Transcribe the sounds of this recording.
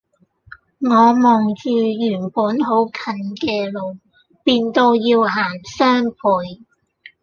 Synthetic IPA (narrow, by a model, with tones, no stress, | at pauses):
ŋɔː˨˧mɔː˨˩ŋt͡siː˧jyː˨˩npuː˨˥nɦo˨˥wkʰɐ˧nkɛː˧lo˨˧w | piː˧nt̪o˧wjiː˧wɦaː˨˩nsœː˥ŋpʰuː˨j